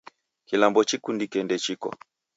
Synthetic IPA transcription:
kilambɔt͡ʃikundikɛndɛt͡ʃikɔ̰

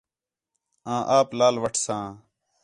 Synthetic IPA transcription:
ãːʔaːplaːlʋɐʈʰsãː

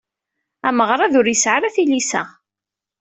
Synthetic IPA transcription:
æməʁɾˤɑðʊɾjəsʕaɾæθilisæ̰

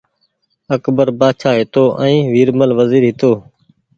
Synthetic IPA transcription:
əkbəɾbaːʃʰaːɦɪt̪oːʔɛ̃ĩːʋiːɾməlʋəziːɾɦɪt̪oː

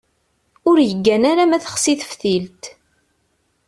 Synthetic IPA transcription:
ʊɾjəɡːænaɾamæθə̥χsiθəfθilt̪

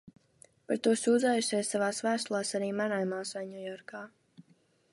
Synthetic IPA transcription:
paɾt̪uɔsuːd̪zaːjuʃʲɛjsːavaːsvæːst̪lˠaːsaɾiːmaɾajmaːsvajnʲujɔɾkaː

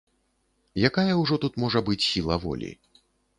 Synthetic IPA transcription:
jakajɐwʐɔt̪ut̪mɔʐɐbɨt͡sʲsʲilˠɐvɔ̰lʲḭ

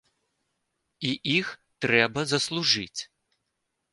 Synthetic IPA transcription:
iʔixt̪ɾɛbɐzɐslˠuʐɨt͡sʲ

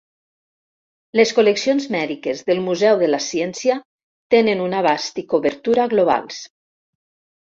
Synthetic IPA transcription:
leskoleksionzmɛðikezðelˠmuzɛwðelasjɛnsia | t̪enenunaβ̞ast̪ikoβeɾt̪uɾaɣloβ̞a̰lˠs

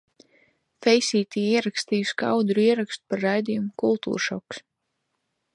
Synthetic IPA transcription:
fɛjsʲiːt̪iiɛɾakst̪iːjuska̰wd̪ɾuiɛɾakst̪u̥paɾːajd̪ijumukulˠt̪ṵːɾʃɔks

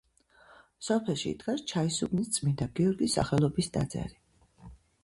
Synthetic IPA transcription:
sɔpʰɛlˠʃḭːt̪ɡʰast͡ʃʰaisubnist̪sʼmind̪aɡiɔɾɡisːa̰χɛlˠɔbisd̪a̰d̪zɛ̰ɾi

